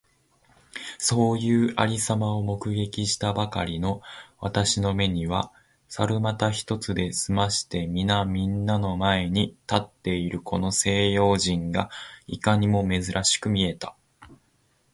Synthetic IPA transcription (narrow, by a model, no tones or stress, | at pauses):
so̞ːjɯ̟ːʔaɾʲisamao̞mo̞kɯ̟ɡe̞kʲiɕi̥t̪abakaɾʲino̞βat̪aɕino̞me̞ɲ̟iβ̞a | saɾɯ̟mat̪açi̥t̪o̞t͡sɨd̪e̞sɨmaɕi̥t̪e̞mʲinamʲĩnːano̞mae̞ɲ̟it̪at̪ːe̞iɾɯ̟kʰo̞no̞se̞ːjo̞ːʑĩŋɡaikaɲ̟imo̞me̞zɨɾʔaɕi̥kɯ̟mʲie̞t̪ḁ